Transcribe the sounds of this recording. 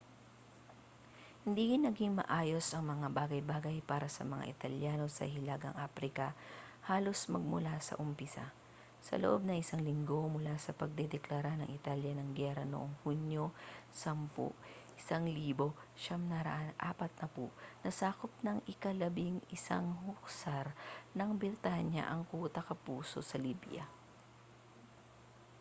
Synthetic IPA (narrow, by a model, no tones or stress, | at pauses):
hɪnd̪iːhɪnːɐɡiŋmɐ̰ʔaːjo̞sʔɐŋmɐŋabaːɡɐjbaːɡɐjpaːɾɐsɐ̰mɐŋa̰ʔɪt̪ɐljaːno̞sɐ̰hɪlaɡɐ̰ŋʔaːpɾɪkɐhaːlo̞smɐɡ̚mʊlasɐ̰ʔʊmpɪsa̰ | sɐ̰loʔo̞b̚nɐŋɪsaŋlɪŋɡo̞mʊlasɐpɐɡ̚d̪ɛd̪ɛklɐɾanɐ̰ŋɪt̪aljɐnɐŋɡɛɾɐnoʔoŋhunjosɐmpʊ̰ʔ | ʔɪsaŋliːbo̞ʃɐmnɐɾɐ̰ʔanʔa̰ːpɐt̪̚nɐpʊʔnɐsaːkop̚nɐŋʔɪkɐlɐbiŋɪsa̰ŋhʊk̚saɾnɐŋbɪɾt̪aɲɐ̰ʔɐŋkuːt̪ɐkɐpuːso̞̰sɐliːbja̰